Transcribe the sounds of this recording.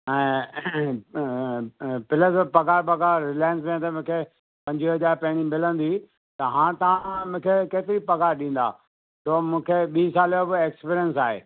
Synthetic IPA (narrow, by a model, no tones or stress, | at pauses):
ɛ̃ː | pɪləzpɐɡaːɾpɐɡaːɾɪlaːɪə̃ns̬mẽːt̪ɐmũːkʰe | pɐ̃ɲd͡ʑiɦɐzaːɾpɐɦɪɽ̃imɪlə̃nd̪i | t̪ɐɦãːt̪ɐʋ̤ãmʊ̃ːkʰekeːt̪ɪɾipɐɡaːɾɗĩːn̆d̪a̰ː | soːmũːkʰeɓiːsaːljobɪeːkspiːɾijənsaːɦḛː